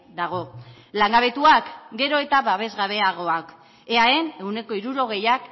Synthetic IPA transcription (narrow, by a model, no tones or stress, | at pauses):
d̪aɣ̞o̞ | laŋɡaβ̞e̞t̪uakɡe̞ɾo̞e̞t̪aβaβe̞zɣaβ̞e̞aɣ̞o̞ak | eae̞ne̞wne̞ko̞iɾuɾo̞ɣ̞e̞jak